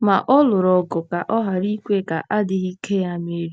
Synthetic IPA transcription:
ma̰˨ʔɔ˦lʊ˨ɾɔ˨ɡʊ˨ka˨ʔɔ˦ɦa˨ɾi˦kʷe˦˨ka˨ʔa˦dɪ˦ɣi˦kʰe˦ja˦me˨˦ɾi˦

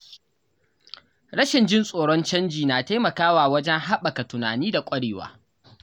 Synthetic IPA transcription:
ɽɐ˦ʃɪ˨nd͡ʒɪ˦nsʼoː˨ɽɔ˦nt͡ʃɐ˦nd͡ʒiː˨naː˨ta˦jmɐ˨kaː˦waː˨wɐ˦d͡ʒɛ˦ŋɦa˦ɓɐ˨ka˨tʊ˨naː˨niː˦da˨kʷʼɐ˦ɽeː˨wa̰ː˨˦

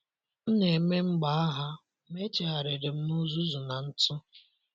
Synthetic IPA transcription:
ne˨me˦ŋ͡m̩˦ɡ͡ba˨˦a˦ɦa˦ | me˦t͡ʃe˨ɦa˨ɾe˨ɾɪ˨m̩˦nu˦zu˦zu˨na˨n̩˦tʊ˦

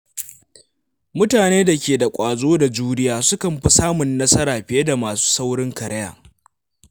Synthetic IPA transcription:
mʊ˦taː˨neː˦da˨kʲeː˨da˨kʷʼaː˨zoː˦da˨d͡ʒuː˦nɪ˦jaː˨sʊ˦kɐ˨mɸi˦saː˦mʊ˨nːɐ˦sɐ˦ɾaː˨ɸɪ˨je˦da˨maː˨su̥ː˦sa˦wɽɪ˦ŋkɐ˨ɾɐ˦ja̰ː˨

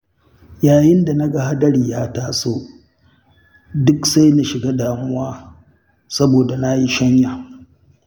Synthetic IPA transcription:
jaː˨jɪ˦nda˨na˦ɡa˦ha˦dɐ˦ɽiː˨jaː˦taː˨soː˦ | dʊ˦ksa˦jna˦ʃɪ˨ɡaː˦daː˨mʊ˦waː˦ | sɐ˦boː˨da˨na˦ji˦ʃɐ˦ɲjaː˨

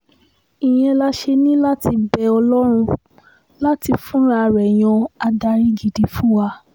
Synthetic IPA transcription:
i˨j̃ɛ̃˧la˧ʃe˧nĩ˦la˦ti˧bɛ˧ɔ˧lɔ˦ɾ̃ũ˧ | la˦ti˧fũ˦ɾa˧ɾɛ˨j̃ɔ̃˧a˧da˧ɾĩ˦ɡi˨di˧fu˦wa˧

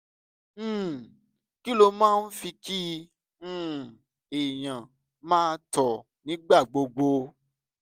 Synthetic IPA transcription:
ki˦lo˧mãː˦˧n̩˦fi˧kĩ˦˨ | e˨j̃ã˨ | mãː˦˧tɔ˨ | nĩ˨˦ɡ͡ba˦˨ɡ͡bo˧ɡ͡bo˧

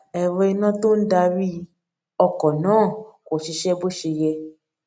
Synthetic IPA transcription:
ɛ˨ɾɔ˧i˧nã˦to˦n̩˦da˧ɾi˦˧ | ɔ˧kɔ˨nãː˨˦˨ko˨ʃi˧ʃɛ˦bo˦ʃe˧jɛ˧

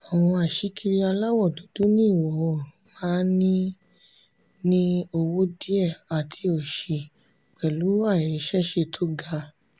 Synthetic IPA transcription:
ɔ˨w̃ɔ̃˧a˨ʃi˨˦ki˧ɾi˧a˧la˦wɔ˦˨du˨˦du˦nĩ˦˨wɔ˨˦o˨ɾũ˨˦mã˦nĩ˦ | nĩ˦o˧wo˦di˦ɛ˦˨a˨tʰi˧o˨ʃe˨ | k͡pɛ˨lu˨˦a˦˨i˨ɾi˨˦ʃɛ˦ʃe˧tʰo˦ɡa˦˧˦

